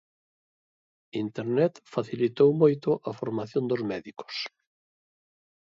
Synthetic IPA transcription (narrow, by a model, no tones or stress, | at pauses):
int̪eɾnɛt̪faθilit̪owmojt̪ʊʔɐfoɾmaθjõnd̪ozmɛðikʊ̥s